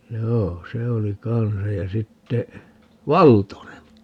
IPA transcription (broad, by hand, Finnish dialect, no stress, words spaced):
joː se oli kɑnsɑj jɑ sitːe ʋɑltone